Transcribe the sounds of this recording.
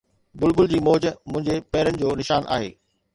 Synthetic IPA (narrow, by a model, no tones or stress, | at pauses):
bʊlbʊld͡ʑiːmoːd͡ʑmʊ̃ɦɪ̃ɲd͡ʑepɐɪɾənɪ̆d͡ʑoːnɪʃaːnʔa̰ːɦeː